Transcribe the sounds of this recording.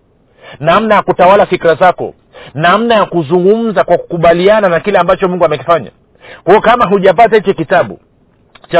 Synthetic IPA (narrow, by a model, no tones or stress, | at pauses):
namnajakutawalafikɾazakɔ̰ | nam̩najakuzuŋɡum̩zakwaku̥kuɓaliananakilɛambat͡ʃɔmuŋɡuamɛki̥faɲa̰ | kwaɔkamaɦuʄap̬atahit͡ʃɔkitaɓṵ | t͡ʃa